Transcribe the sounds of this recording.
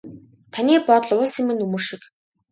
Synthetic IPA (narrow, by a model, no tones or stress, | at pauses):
t̪ʰaniːpɔt̪ɮʊsimɘ̆nɵmɵːʃik